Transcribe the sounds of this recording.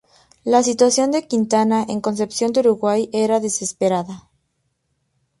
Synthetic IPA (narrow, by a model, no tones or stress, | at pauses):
lasit̪wasjo̞nd̪e̞kint̪anaʔe̞ŋko̞ns̬e̞psjo̞nd̪euɾuɣwaje̞ɾaðe̞se̞speɾaða